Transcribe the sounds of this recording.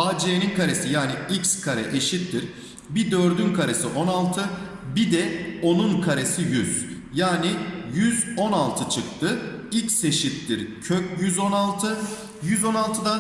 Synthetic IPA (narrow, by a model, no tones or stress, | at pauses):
aːd͡ʒijeninkʰaɾesijaːniicskʰaɾɛʔeʃit̪ːiɾ | bid̪øɾd̪ynkʰaɾesiʔo̞nalˠt̪ʰɯ | bid̪ɛo̞nunkʰaɾe̞sijyz̥ | jaːnijyzo̞nalˠt̪ʰɯt͡ʃʰɯk̚t̪ʰɯ | icse̞ʃit̪ːiɾcʰøcjyzo̞nalˠt̪ʰɯ | jyzo̞nalˠt̪ʰɯd̪a